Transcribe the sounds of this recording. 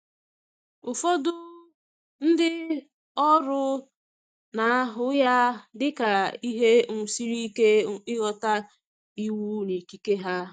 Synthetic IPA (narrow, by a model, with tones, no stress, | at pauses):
ʊ˨fɔ˦dʊ˦ | n̩˦dɪ˦ | ɔ˦ɾʊ˦ | na˨a˦ɦʊ˨ja˦dɪ˦ka˨i˦ɦe˦ŋ̩˨si˦ɾi˦i˦ke˦ɪ˦ɣɔ˦ta˦ | i˦wu˦ni˨ki˦ke˦ɦa˦